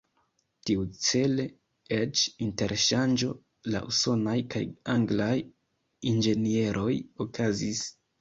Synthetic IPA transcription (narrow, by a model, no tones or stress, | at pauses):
tiut͡se̞le | et͡ʃinte̞ɾʃand͡ʒo̞ | la̰ʔuso̞najkajaŋɡlaj | ind͡ʒe̞nie̞ɾʔo̞jokʰazis